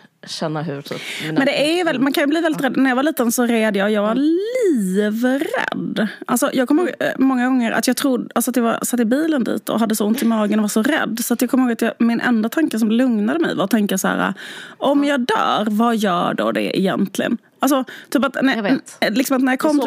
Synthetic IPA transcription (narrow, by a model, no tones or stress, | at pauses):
ɕɛnːaɦʉmɛnd̪ɛævɛlːmankʰanjɵbliːvɛlːɪt̪ɾɛd̪ːnæɾjɑvaɾɭiːt̪ənsɔɾeːd̪əjɑːjɑːɡvaliːvɾɛ̰d̪ːʔalsɔjʔɑːɡkʰɔməoːɡmɔŋːaɡɔŋːəɾa̰t̪jɑːɡ̚t̪ʰɾʊd̪ʔalsɔat̪java̰ɾsat̪ːɪbiːlənd̪ḭːt̪ʰɔ̰ɦad̪ːəsɔʊnt̪ɪmɑːɡənɔvaʂɔɾɛ̰d̪ːsɔat̪jɑɡkʰɔmːəhoːɡat̪jɑːmɪnʔɛ̰nd̪at̪ʰaŋkəs̬ɔmlɵŋnad̪əmɛ̰jvaɾt̪ʰɛŋk̪əsæ̰ːɾa̰ʔɔmjɑːd̪œ̰ːɾvajœːɖɔ̰ɖɛ̰ɪ̰jɛnt̪lɪɡə̰n | ʔals̬ɔt̪ʰyːpat̪nælɪksɔmat̪næɾjɑkʰɔːt